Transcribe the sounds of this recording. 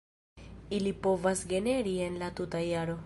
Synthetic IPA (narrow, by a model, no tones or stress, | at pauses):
ilipoʋɐsɡeneɾienlat̪ut̪ɐjaɾo